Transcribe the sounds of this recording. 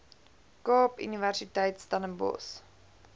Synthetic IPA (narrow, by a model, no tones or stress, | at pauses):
kɑːpy̰niværsitɛjtstɐnəmbɔ̰s